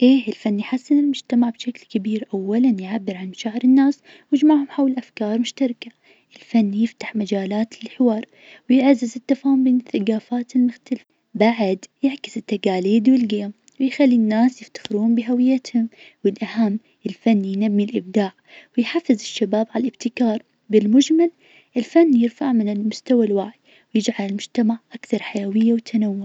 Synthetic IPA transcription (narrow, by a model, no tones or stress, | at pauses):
ʔeːɪlfanːijħasːɪnɪlmʊd͡ʒt̪amaʕbʃaklkabiːɾʔawːalanjʕabːɪɾʕanʃaʕɾˤɪnːaːs | wjɪd͡ʒmaʕhʊmħawlʔafkɑːɾˤmʊʃt̪ɑɾˤka | ʔɪlfanːjɪft̪ḁħmad͡ʒaːlaːt̪lħɪwɑːɾˤ | wjɪʕazːɪzɪt̪ːafaːhʊmbeːnɪθːaɡaːfaːt̪ɪlmʊxt̪alɪf | baʕad̪jaʕkɪ̥sɪt̪ːaɡaːliːd̪wɪlɡɪjam | wɪjxalːinːaːsjɪft̪ḁxɪɾuːmbɪɦawɪjːat̪hʊm | wɪlʔahamː | ʔɪlfanːjnabːilʔɪb̚d̪aːʕwɪjħafːɪzɪʃːabaːbʕalʔɪbt̪ɪkɑːɾˤ | bɪlmʊd͡ʒmal | ʔɪlfanːjɪɾfaʕmɪnɪlmʊst̪awalwaʕɪ | wjɪd͡ʒʕalɪlmʊd͡ʒt̪amaʕʔakθɑɾˤħajawɪjːawt̪ʰanawːʊʕ